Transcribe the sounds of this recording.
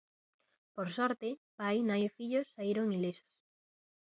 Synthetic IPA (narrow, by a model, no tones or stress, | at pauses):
poɾsɔɾt̪ɪpajnajofiʎosːaiɾoŋiliso̥s